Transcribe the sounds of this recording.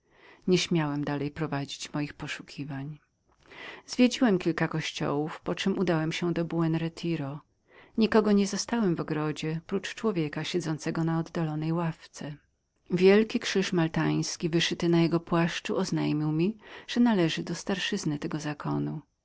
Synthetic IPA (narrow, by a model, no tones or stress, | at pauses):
ɲɛɕmʲjawɛmd̪alɛjpɾɔvad͡ʑit͡ɕmɔjixpɔʂu̥kʲʰivaɲ | zvʲjed͡ʑiwɛmkʲilkakɔɕt͡ɕɔ̰wufpɔt͡ʂɘmud̪awɛmɕɛd̪ɔbuɛnɾɛt̪ʰiɾɔ | ɲikɔɡɔɲɛzɔst̪awɛmvɔɡɾɔd͡ʑɛpɾut͡ʂt͡ʂwɔvʲjɛkaɕɛd̪zɔnt̪sɛɡɔnaɔd̪ːalɔnɛjwaft̪sɛ | vʲjɛlkʲikʂɘʂmalt̪aj̃skʲivɘʂɘt̪ɘnajɛɡɔpwaʂt͡ʂuɔznajmʲiwmʲiʐ̥ɛnalɛʐɘd̪ɔst̪aɾʂɘznɘt̪ɛɡɔzakʰɔ̰nu